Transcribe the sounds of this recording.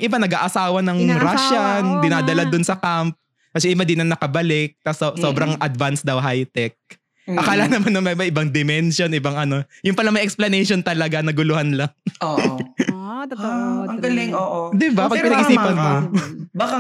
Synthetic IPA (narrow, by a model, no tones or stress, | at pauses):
ʔɪbanɐɡaːʔɐsaːwɐnɐŋɾaʃand̪ɪnaːd̪ɐlad̪ʊnsɐkamp̚ | kɐsɛʔɪmad̪inɐnɐkɐbɐlɪk̚t̪ɐsso̞ːbɾɐŋʔɐd̪vansd̪ɐwɦajt̪ɛk̚ | ʔɐkaːlɐnɐmanːɐŋmɐmɐjʔɪbaŋd̪ɪmɛnʃo̞nʔɪbaŋʔɐno̞jʊmpɐlɐŋmɐjʔɛksplɐnɛjʃo̞nt̪ɐlɐɡanɐɡʊlʊhanlaŋo | ɐŋɡɐlɪŋoʔod̪ɪbapɐɡɐɐɡʔɪsiːpɐnmobakɐ